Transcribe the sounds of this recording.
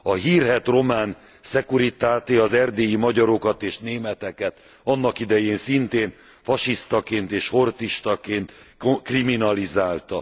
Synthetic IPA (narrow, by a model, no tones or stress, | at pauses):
ɒɦiːrɦɛt̪ro̞maːn | sɛkuɾit̪aːt̪eɒzɛrd̪eːjimɒɟɒɾo̞kɒt̪eːʃneːmɛt̪ɛkɛt̪ | ɒnːɒkid̪ɛjeːnsint̪eːn | fɒʃist̪ɒkeːnt̪eːʃho̞rt̪iʃt̪ɒkeːnt̪kriminɒlizaːlt̪ɒ